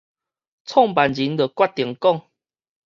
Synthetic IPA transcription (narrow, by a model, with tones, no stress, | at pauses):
t͡sʰɔ˥˨ŋpa˨˩nd͡ʑi˨˦nd̪ə˨kwa˥˩t̚t̪i˨əŋkɔ˥˨ŋ